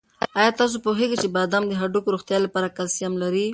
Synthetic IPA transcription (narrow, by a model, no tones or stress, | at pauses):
ɑjɑt̪ɑs̬opoɦeɡat͡ʃebɑd̪amd̪əɦaɖukoɾoxt̪jɑlapɑɾakalsijamlaɾi